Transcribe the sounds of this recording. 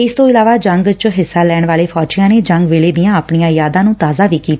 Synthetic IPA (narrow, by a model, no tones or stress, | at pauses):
ɪst̪õːɪlaːʋaːd͡ʒəŋɡt͡ʃɦɪsːaːlɛːɳʋaːleːpʰɔːt͡ʃɪjãːneːd͡ʒəŋɡʋeːleːd̪ɪjãːəpɳijãːjaːd̪ãːnũːt̪aːzaːʋiːkiːt̪a